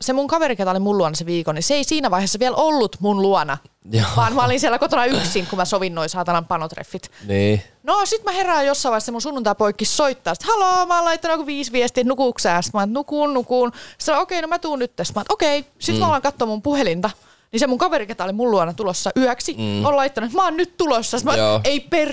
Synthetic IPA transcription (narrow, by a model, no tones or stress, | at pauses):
semuŋkɑʋeriket̪ɑolimuluɑnɑseʋiːkoniseeisiːnæʋɑiheːsːɑʋiælolːut̪munluɑnɑ | ʋɑːnmæolinsiælːækot̪onɑyksiŋkumæsoʋinnoisɑːt̪ɑnɑmpɑnot̪rḛfːit̪ni | nosit̪mæherɑːjjosːɑiʋɑisemunsunːunt̪ɑipoikːissoit̪ːɑːsi̥t̪hɑloːmæːlɑit̪ːɑnokoʋiːsʋiɛst̪iːt̪nukuˑksæːst̪mɑːnet̪nukuːnnukuːnt̪sɑnookeinomæt̪uːnyt̪ːest̪mɑːnet̪okeisimæolɑŋkɑt̪ːomumpuhelint̪ɑ | nisemuŋkɑʋeriket̪ɑolimulluɑnɑt̪ulosːɑʔyœksioːlɑit̪ːɑnuet̪mɑːnnytt̪ulosːɑst̪mɑːeiper